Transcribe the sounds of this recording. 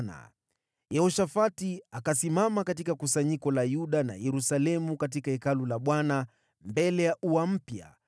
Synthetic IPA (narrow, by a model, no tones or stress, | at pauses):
na̰ | jɛɔʃafatiakasimamakatikakusaɲikɔlajuɗana̰jɛɾusalɛmukat̬ikaikalulaɓwana | mbɛlɛjaʔuam̩pja̰